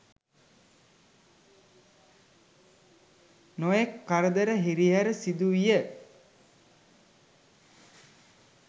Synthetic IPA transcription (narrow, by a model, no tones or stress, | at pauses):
nojekːaɾəd̪əɾəɦiɾiɦaɾəsid̪uʋijə